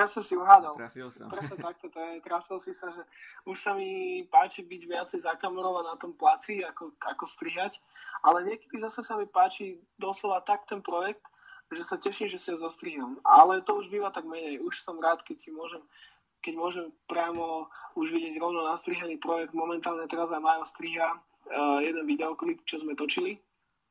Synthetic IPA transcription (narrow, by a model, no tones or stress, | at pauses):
jasɔmsiɔɦaːd̪alpɾɛsɲɛt̪ak̚t̪ɔt̪ɔjɛt̪ɾafilsisaʒɛuʃsamipaːt͡ʃibiɟʋɪat͡sɛjzakamɛɾɔʋanat̪ɔmplat͡siakɔakɔst̪ɾiɦacʔalɛɲɪɛkɛ̥d̪izasɛsamipaːt͡ʃid̪ɔslɔʋat̪akt̪ɛnpɾɔjɛk̚t̪ | ʒɛsacɛʃimʒɛsiɔzɔst̪ɾiːɦamʔa̰lɛt̪ɔuʒbiːʋat̪aɡmɛɲɛjuʃsɔmɾaːt̪kɛcsimʊɔʒɛm | kɛɟmʊɔʒɛmpɾɪamɔuʒʋiɟɪɛɟɾɔʊnɔnast̪ɾiɦaniːpɾɔjɛɡ̚d̪mɔmɛnt̪aːlɲɛt̪ɛɾazamajɔst̪ɾiːɦa | jɛd̪ɛnʋid̪ɛɔklipt͡ʃɔzmɛt̪ɔt͡ʃili